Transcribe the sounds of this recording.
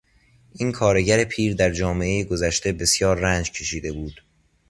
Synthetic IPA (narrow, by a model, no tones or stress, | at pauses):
ʔiːnkʰɒːɾe̞ɟæɾe̞pʰiːɾd̪æɾd͡ʒɒːme̞ʔe̞jeɡo̞zæʃt̪e̞be̞sjɒːɾːænd͡ʒcʰe̞ʃiːd̪e̞buːd̪̥